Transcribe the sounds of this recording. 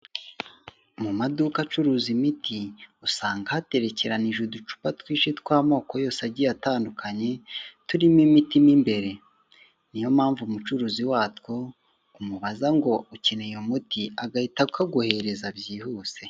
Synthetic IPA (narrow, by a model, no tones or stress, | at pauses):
mumadukat͡ʃuɾuːzimitʰiusaːŋɡahate̞ɾe̞ce̞ɾaniʒudut͡ʃu̥patwiːʃitkwaːmo̞ːko̞jo̞ːseaɟijataːndukʰaɲe̞tuɾimimitimimbe̞ɾe̞ | nijo̞mhaːɱvumut͡ʃuɾuːziwaːtwo̞ | umuβazaŋɡo̞uce̞nejomutiaɡahitakʰaɡuhe̞ɾe̞zabjiːhuːse̞